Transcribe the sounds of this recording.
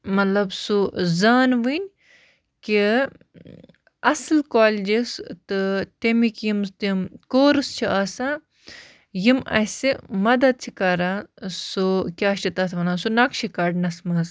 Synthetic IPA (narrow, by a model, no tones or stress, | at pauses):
mɐt̪lɐbsuzaːnʋɨnʲ | ki | ɐslkaːld͡ʒist̪ɨt̪emikjimst̪imkoːɾɨst͡ʃʰiʔaːsã | jimʔɐ̰simɐd̪ɐd̪̚t͡ʃʰikɐɾaːsukʲaːit̪ɐt̪ʰʋɐnaːnsunɐkʃʰikɐɖnɐsmɐz